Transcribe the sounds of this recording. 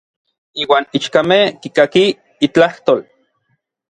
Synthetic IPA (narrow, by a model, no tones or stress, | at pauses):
iːwaːnit͡ʃkamehkikakiː | t͡ɬaht̪oːl